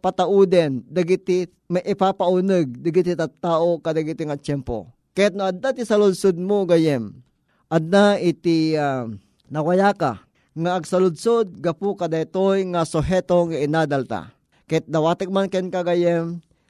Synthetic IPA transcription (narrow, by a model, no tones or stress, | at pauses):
pat̪aʔud̪ɛnd̪aɡit̪ɪ | maʔɪpapaunəɡ̚d̪aɡit̪it̪at̪aːʔokad̪aɡit̪ɪŋat͡ʃɛmpo̰ | kajat̪̚noad̪̚at̪isalʊd̪sod̪̚moɡajɛm | ʔad̪naɪt̪ia | nɐwajaka̰ | ŋaːɡsalʊd̪sod̪̚ɡapʊkad̪ait̪ojŋasʊɦɛt̪oŋaɪnad̪alt̪a̰ | kajat̪̚d̪awat̪ək̚mankɛnkaɡajɛm